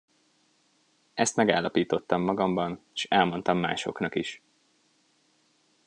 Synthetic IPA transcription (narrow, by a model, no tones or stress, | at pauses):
ʔɛst̪mɛɡaːlːɒpiːt̪o̞t̪ːɒmːɒɡɒmbɒneʃɛlmo̞nt̪ɒmːa̰ːʃo̞̰knɒkiʃ